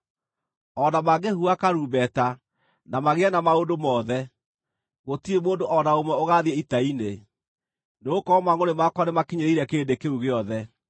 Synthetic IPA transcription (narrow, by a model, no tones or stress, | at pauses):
ɔnamaɡehuakaɾuːbɛta | namaɣeɛnamaondomɔːðɛ | ɣotiemoːndoʔɔnaomwɛoɣaðiɛitaine | neokɔɔmaŋonemakwanemakeɲeɾiɾɛkeːndekeuɣeɔðɛ